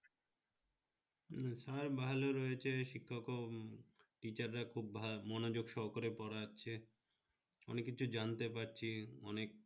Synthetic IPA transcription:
saɾbaɦaloɾɔjet͡ɕʰeʃikʰːɔko | ʈit͡ɕaɾːakʰubamɔnod͡ʑoɡʃɔɦokoɾepɔɾaaːt͡ɕʰe | ɔ̰nekːit͡ɕʰud͡ʑant̪epaɾt͡ɕʰiɔnek̚

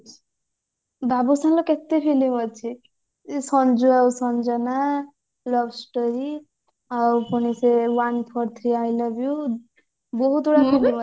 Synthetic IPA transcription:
babusãnlɔket̪epʰilimʌt͡ʃʰi | sɔnd͡ʒuawsɔnd͡ʒana | lɔbsʈɔɾi | awpɔɽ̃isewanpʰɔɾt̪ʰɾiajlabju | bɔɦut̪uɽakʰubim

